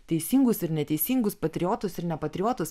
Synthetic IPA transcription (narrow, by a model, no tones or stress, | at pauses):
t̪ʲɛɪsʲiːŋɡʊsɪɾnʲɛt̪ʲɛɪsʲiːŋɡʊspɐt̪ʲɾʲɪoːt̪ʊsɪɾnʲɛpɐt̪ʲɾʲɪjɔːt̪ʊs